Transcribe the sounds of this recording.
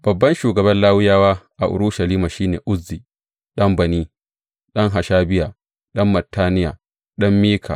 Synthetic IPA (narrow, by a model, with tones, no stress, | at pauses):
b̥ɐ˨bːɐ˦nʃuː˨ɡɐ˨bɐ˦nlaː˦wɪ˦jaː˦waː˦ʔa˨ʔʊ̰˨ɾʊ˦ʃa˨liː˦maː˨ʃiː˦neː˨ʔʊ˦zːiː˨ | ɗɐ˦mbɐ˨niː˦ | ɗɐ˦ŋɦa˨ʃaː˦bɪ˦jaː˨ | ɗɐ˦mːɐ˨tːaː˦nɪ˦ja̰ː˨ | ɗɐ˦mːiː˦kʰa̰˨